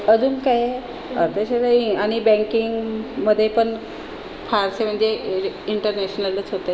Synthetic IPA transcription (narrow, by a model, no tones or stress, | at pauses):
əd͡zuːnkaje | ə̰ɾt̪ʰəɕeɾəiaɽ̃ibɛ̃ŋkiŋɡməd̪ʱːjepəɳ | faɾsem̤əɳd͡zeiɳʈəɾnɛɕnələt͡sɦot̪ə